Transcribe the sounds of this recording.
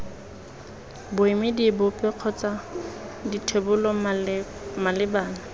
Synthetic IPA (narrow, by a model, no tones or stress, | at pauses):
bʊɪmɪdibʊpʼɛq͡χʰɔt͡sʼaditʰebʊlɔ | malɪbaːna